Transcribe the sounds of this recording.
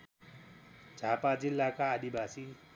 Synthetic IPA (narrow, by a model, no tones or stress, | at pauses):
d͡zʱapad͡zilːakaːd̪ibasi